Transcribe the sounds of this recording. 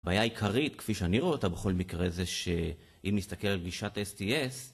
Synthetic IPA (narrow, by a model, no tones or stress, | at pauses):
baːjaikʰaʁit̪kfiʃeaniʁoetabe̞χo̞lmikʁe̞zeʃe | ʔimist̪ake̞lalɡiʃatesties